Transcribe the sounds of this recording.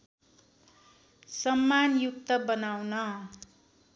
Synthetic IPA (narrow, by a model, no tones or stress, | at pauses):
sʌmːanjuk̚t̪ʌbʌnawnʌ